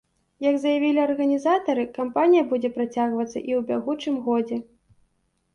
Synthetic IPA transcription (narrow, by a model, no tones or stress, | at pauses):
jɐɡzɐjavʲilʲiɐrɣɐnʲizat̪ɐɾɨkampanʲijɐbud͡zʲɛpɾat͡sʲaɣvɐt̪sːɐ̰ʔiwbʲaɣut͡ʂɨmɣɔd͡zʲɛ